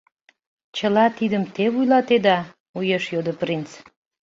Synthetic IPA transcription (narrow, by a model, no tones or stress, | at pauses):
t͡ɕəlɑt̪id̪əmt̪eβujlɑt̪ed̪ɑ | ujeʃjod̪əprint͡s